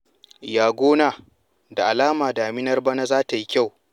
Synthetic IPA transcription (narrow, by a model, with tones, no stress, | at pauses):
jaː˦ɡʷoː˦naː˨ | da˨ʔa˨laː˦maː˨daː˨mɪ˦nɐ˦rba˦na˦zaː˦ta˨ji˦kʲa˦˨w